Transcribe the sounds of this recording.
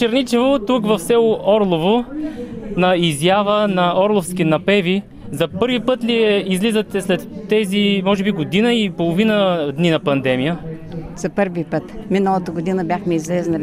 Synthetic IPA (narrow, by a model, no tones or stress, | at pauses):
t͡ʃɛɾnit͡ʃɛvot̪ukvɐfsɛlˠoʔɔɾlˠovo | nɐizjavənɐɔɾlˠofskinɐpɛvi | zɐpɤɾvipɤt̪liɛizlizət̪ɛslɛt̪ːɛzimɔʒɛbiɡod̪inəipolˠovinəd̪ninɐpɐnd̪ɛmijə | z̥ɐpɤɾvipət̪minəlˠət̪əɡod̪inəbʲjaxmɛizlɛznɐ